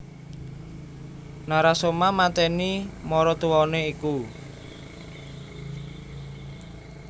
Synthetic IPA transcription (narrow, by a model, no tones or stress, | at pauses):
naɾasomamat̪ɛnimɔɾɔt̪uwɔneiku